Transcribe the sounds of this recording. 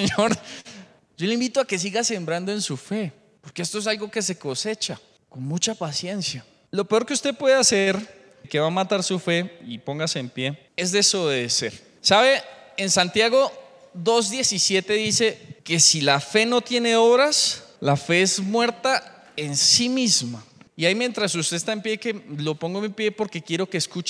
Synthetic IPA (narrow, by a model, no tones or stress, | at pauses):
seɲoɾ | d͡ʒo̞leimbit̪oake̞s̬iɣase̞mbɾand̪o̞e̞nsufe̞ | po̞ɾke̞est̪oesalɡo̞ke̞s̬e̞ko̞se̞t͡ʃa | ko̞nmut͡ʃapasje̞nsja | lo̞peo̞ɾkeust̪e̞pwe̞ðease̞ɾ | ke̞βamat̪aɾsufe̞ipo̞ŋɡaseːmpje̞ | ezd̪esoβeðese̞ɾ | saβe̞ensant̪jaɣo̞ | ðo̞zd̪je̞sisje̞t̪e̞ðise̞ke̞silafe̞no̞t̪je̞ne̞oβɾaslafe̞ezmwe̞ɾt̪a | e̞nsimizma | iaimje̞nt̪ɾasust̪est̪aempjekelo̞po̞ŋɡomipje̞po̞ɾke̞kje̞ɾo̞keːskut͡ʃ